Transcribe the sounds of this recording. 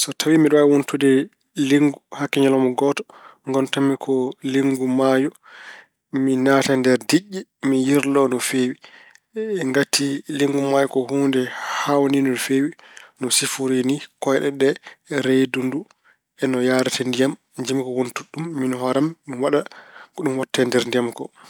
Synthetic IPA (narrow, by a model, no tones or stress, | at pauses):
sɔtʰawimiɗɔwawuntudɛ | leŋɡuhakːɛɲɔlɔmɔɡɔtɔ̥ | ŋɡɔntamːikʰɔleŋɡumajɔ | minatandɛɾdiʔːimijiɾlɔnɔfewi | ɛŋɡatʰːileŋɡumajɔkɔhuːndɛhawninulfewi | nɔsifuɾenikɔjɗɛ̰ɗɛɾejdundu | ɛnɔjaːɾatɛndijam | d͡ʒimikɔwontuɗumːinɔɦɔɾammiwaɗakɔɗumwɔtːɛndɛɾndijamkɔ̰